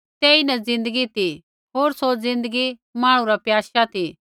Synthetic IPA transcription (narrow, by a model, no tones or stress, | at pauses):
t̪eːinɛzɪ̃nd̪əɡit̪i | ɦoːɾsozɪ̃nd̪əɡimãːɽ̃ũɾapjaːʃat̪i